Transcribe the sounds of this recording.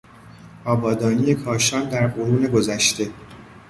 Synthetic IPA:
ʔɒːbɒːd̪ɒːniːjekʰɒːʃɒːnd̪æɾfoɾuːne̞ɡo̞zæʃt̪e̞

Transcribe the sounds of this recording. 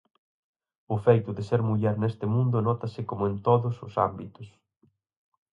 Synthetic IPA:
ʊfejt̪ʊðɪseɾmuʎɛɾnest̪ɪmũnd̪ʊnɔt̪ɐsɪkomʊent̪oðʊsʊ̰sambit̪ʊs

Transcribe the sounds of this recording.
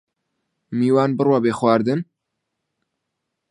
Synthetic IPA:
miːwaːnbɨrwabeːxwaːɾd̪ɨn

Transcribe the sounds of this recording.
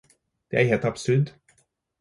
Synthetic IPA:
d̪̥eæɾɦeːlt̪ɑbsʉɾd̪

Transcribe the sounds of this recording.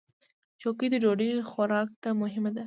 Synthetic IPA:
t͡ʃokid̪əd͡ʒoɽixaɾɑk̚t̪amʊɦɪmad̪a

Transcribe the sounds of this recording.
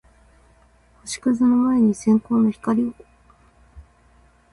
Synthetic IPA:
hoɕi̥kɯ̟zɨnomaeɲ̟isẽ̞ŋko̞ːno̞çi̥kaɾʲio

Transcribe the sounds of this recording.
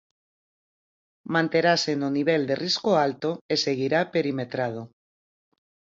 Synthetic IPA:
mãnt̪e̞ɾasenoniβ̞e̞ld̪e̞rʔiskoalt̪oese̞ɣ̞iɾape̞ɾime̞t̪ɾað̞o

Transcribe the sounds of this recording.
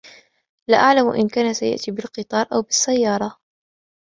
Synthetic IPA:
laʔaʕlamʔɪ̰nkaːnasaja̰ʔt̪iːbɪlqɨt̪ˤɑːɾˤʔawbɪsːajːɑːɾˤɑ

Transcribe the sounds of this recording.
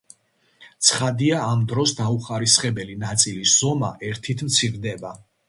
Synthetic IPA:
t̪sʰχad̪iaːmd̪ɾɔsd̪auχaɾisχɛbɛlinat̪sʼilisz̥ɔma̰ʔɛɾt̪ʰit̪ʰmt̪sʰiɾd̪ɛba

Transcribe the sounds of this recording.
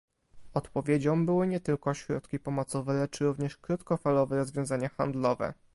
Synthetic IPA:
ɔt̪pɔvʲjed͡ʑɔ̃mbɘwɘɲɛt̪ɘlkɔɕɾɔ̰t̪kʲipɔmɔt̪sɔvɛlɛt͡ʂɾuvɲɛʂkɾut̪kɔfalɔvɛɾɔzvʲjɔ̃w̃zaɲaxa̰nd̪lɔvɛ̰

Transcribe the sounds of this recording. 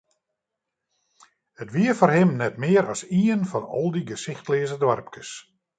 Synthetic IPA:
ətʋiəfɔrhɪmnɛtmɪəɾɑsiːənfɔnɔ̰lˠdiɡəsɪxtleːzədʋarp̚kəs

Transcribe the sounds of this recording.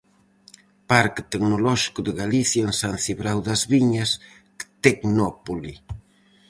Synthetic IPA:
paɾkt̪ɛknolɔʃi̥kʊðɪɣaliθjaensan̟θiβɾawðɐzβiɲɐs | kt̪ɛknɔpoli

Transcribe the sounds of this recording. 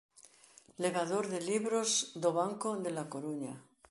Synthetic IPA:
le̞β̞aðoɾðe̞liβɾozd̪oβaŋkoðe̞lakoɾuɲa

